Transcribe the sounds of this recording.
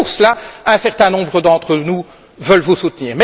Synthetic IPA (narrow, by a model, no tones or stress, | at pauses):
uʁsəlaɛ̃sɛʁt̪ɛ̃nɔ̃bʁəd̪ɑ̃t̪χənu | vœlvusut̪niːʁmɛ